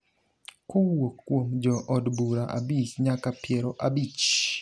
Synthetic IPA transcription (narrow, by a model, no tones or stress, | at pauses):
kʊwokːwomd͡ʒɔʔɔdbuɾaʔa̰bisɲakapjɛɾoʔabit͡ʃ